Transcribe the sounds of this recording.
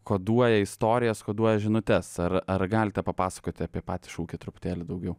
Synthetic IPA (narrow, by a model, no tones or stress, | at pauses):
koːd̪uɔjɛɪst̪oːɾʲɪjɛskoːd̪uɔjɛʒʲɪnʊt̪ʲɛsɐrɐɾɡɑːlʲɪt̪ʲɛpɐpɑːsɐ̥koːt̪ʲɪɐpʲiɛpɑːt̪ʲi̥ʃuːkʲɪt̪ɾʊpʊ̥t̪ʲeːlʲɪd̪ɐʊɡʲɛʊ